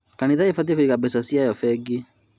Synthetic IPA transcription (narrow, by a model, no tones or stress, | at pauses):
kaniðaefat̬iekoikabɛsasiajɔfɛɡe